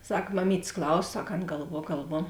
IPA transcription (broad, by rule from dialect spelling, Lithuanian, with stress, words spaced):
ˈsɐk mɐˈmʲiːtʲeːs ˈklˠɐʊsoː ˈsɐk ˈɐn ɡɐlˠˈʋuɔ ɡɐlˠˈʋuɔ